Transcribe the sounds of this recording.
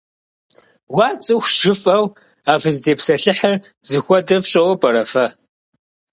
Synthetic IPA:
waːt͡sʼɨxʷʒ̥ɨfʼɐw | aːvɨzdeːpsɐɬɨħɐr | zɨxʷɔdɐvɕʼɐwɔpʼɐɾɐfɐ

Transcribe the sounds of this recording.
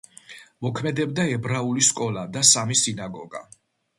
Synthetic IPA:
mɔkʰmɛd̪ɛbd̪aɛbɾauliskʼɔlad̪asamisinaɡɔɡa̰

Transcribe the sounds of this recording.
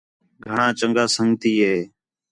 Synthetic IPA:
ɡʱəɳãːt͡ʃəŋɡaːsəŋɡt̪iːɦeː

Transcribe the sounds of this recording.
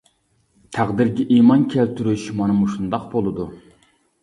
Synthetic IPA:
t̪ʰæʁd̪iɾɡʲɛʔimɑnkʲʰælt̪ʰyɾyʃmɑnɨmuʃund̪ɑqbolˠɨd̪u

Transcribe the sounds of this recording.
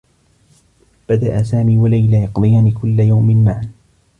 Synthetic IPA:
b̥ad̪aʔasaːmiːwalajlajɑqd̪ˤɨjaːnikʊlːajawmɪnmaʕn

